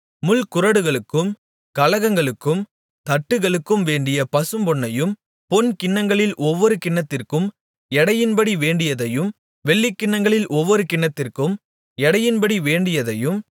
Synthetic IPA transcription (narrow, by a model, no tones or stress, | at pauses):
mʊlkʊrɐɽɯɣɐɭɯkːɯm | kɐlɐɣɐŋɡɐɭɯkːɯm | t̪ɐʈːɯɣɐɭɯkːɯmʋeːɳɖɪjɐpɐsɯmbɔɳːɐjɯm | pɔnkɪɳːɐŋɡɐɭɪlʔɔʋːɔɾɯkɪɳːɐt̪ːɪrkɯm | ɛɽɐjɪnbɐɽiʋeːɳɖɪjɐðɐjɯm | ʋɛɭːikːɪɳːɐŋɡɐɭɪlʔɔʋːɔɾɯkɪɳːɐt̪ːɪrkɯm | ɛɽɐjɪnbɐɽiʋeːɳɖɪjɐðɐjɯm